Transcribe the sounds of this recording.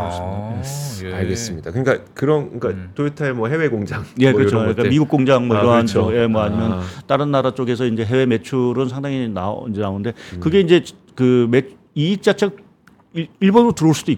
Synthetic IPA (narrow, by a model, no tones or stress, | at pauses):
s | aɭɡes͈ɯmɲid̥akɯɲik͈akɯɾʌnɯk͈atoitʰaemwʌɦe̞weɡoŋd͡ʑaŋje̞kɯɾʌt͡ɕoɲik͈amiɡuk͈oŋd͡ʑaŋmwʌiɾʌɦant͡ɕʰoje̞mwʌaɲimjʌnt͈aɾɯnːaɾat͡ɕ͈oɡe̞sʰʌind͡ʑe̞ɦe̞we̞me̞t͡ɕʰuɾɯnsʰaŋdaŋinaind͡ʑe̞naonnde̞kɯɡe̞ind͡ʑe̞ | kɯme̞t͡ɕ | iːt͡ɕ͈at͡ɕʰe | iɭbonɾotɯɾoɭs͈udoik